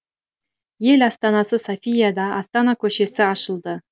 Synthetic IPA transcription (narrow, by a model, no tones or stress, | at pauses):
je̞lɑst̪ɑnɑsəsofʲijad̪ɑʔɑst̪ɑnɑkʲʰɵʃe̞sɪɑʃəlˠd̪ə